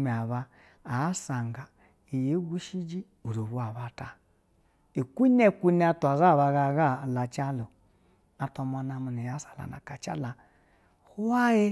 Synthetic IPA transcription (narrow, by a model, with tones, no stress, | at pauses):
me˨a˨βa˦ | a˨˦sa˨ŋɡa˨ | i˨je˨˦ɡu˦ʃi˦d͡ʒi˦ | u˨ɾo˨βu˦a˨βa˨ta˨ | i˨kʷu˦ne˦kʷu˦ni˦a˦tu˨a˨za˦˨βa˨ɣa˨ɣa˦˨la˨t͡ʃa˦lo˨ | a˨ta˧ma˨na˨mu˨ni˨ja˦sḁ˨la̰˨na̰˨ka˨t͡ʃa̰˦la˨ | hu˦wa˦je˦